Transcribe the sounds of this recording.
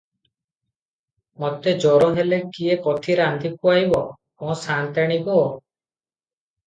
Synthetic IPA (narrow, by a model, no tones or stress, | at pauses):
mɔt̪ed͡ʒɔɾɔɦelekiekɔt̪ʰiɾand̪ʱikuajbɔ | ɔ̃sant̪aɽ̃iɡɔ